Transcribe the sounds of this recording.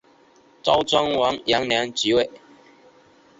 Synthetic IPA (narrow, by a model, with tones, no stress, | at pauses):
t͡sɑ˥ʊt͡swa˥ŋwɑ˨˦˥ŋja˨˥ŋnlja˨˥ŋt͡ɕi˨˥we˥˩ɪ